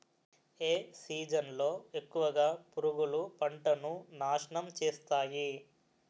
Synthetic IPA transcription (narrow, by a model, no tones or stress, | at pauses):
eːsiːd͡ʒɐnlo̞ːe̞kːuʋɐɡaːpuɾuɡulupɐɳʈɐnunaːʂɐɳɐmt͡ʃeːst̪aːji